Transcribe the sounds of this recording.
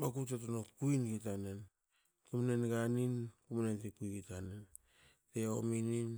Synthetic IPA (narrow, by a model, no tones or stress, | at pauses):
makut̬et̬onokuinɡitanen | kumnenɡaninkumnentikujɡitanen | teominin